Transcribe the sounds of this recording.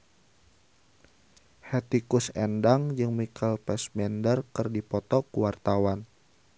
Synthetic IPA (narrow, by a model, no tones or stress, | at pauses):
hɛt̪ikusɛndaŋd͡ʒɨŋmikʰalpɛsmɛndərkɨrdipɔt̪ɔkuwart̪awan